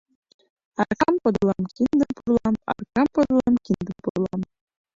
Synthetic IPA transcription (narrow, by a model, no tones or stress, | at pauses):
ɑrkɑmpɤ̆d̪ɤlˠɑmkʲind̪ə̆mpurlˠɑmɑ̰rkɑmpɤ̆d̪lˠɑmkʲind̪əmpurlˠɑm